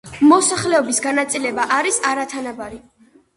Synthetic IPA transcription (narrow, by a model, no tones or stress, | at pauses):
mɔsaχlɛɔbisɡanat̪sʼilɛbaʔaɾisaɾat̪ʰanabaɾi